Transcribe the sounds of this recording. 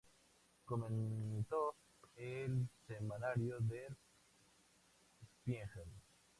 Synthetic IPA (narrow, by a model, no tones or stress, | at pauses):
komẽnt̪o | elsemanaɾjoðel | espjeŋxen